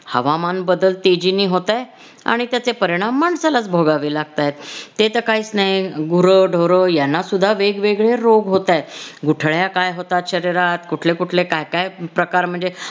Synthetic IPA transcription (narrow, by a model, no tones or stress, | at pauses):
hə̰ʋamanbəd̪əlt̪ed͡ʑiniːɦot̪aj | a̰ɽ̃it̪jat͡sepəɾiɽ̃amːaɳsalat͡sbʱoɡaʋiːlaɡ̚t̪ajet̪ːet̪əkaiːt͡snajɡuɾəɖʱoɾəjanːasud̪ʱːaʋeɡʋeɡɭeɾoɡɦot̪ajet̪ɡuʈʰɭjakajɦot̪at̪ɕəɾiɾat̪kuʈʰlekuʈʰlekajkajpɾəkaɾm̤əɳd͡ze